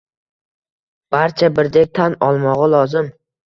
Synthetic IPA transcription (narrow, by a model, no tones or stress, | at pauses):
b̥aɾt͡ʃʰabɪɾd̪ek̚ʲt̪ʰanɒlˠmɒʁɨlˠɒzɪm